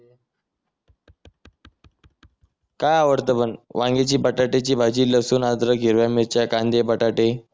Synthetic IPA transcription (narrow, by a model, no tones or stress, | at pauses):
kajaʋəɾt̪əbənʋãŋɡet͡ɕiːbəʈaʈet͡ɕiːbʱad͡ʑiːləsuːnad̪ɾəɡʱiɾʋjamiɾt͡ɕakand̪ebəʈaʈe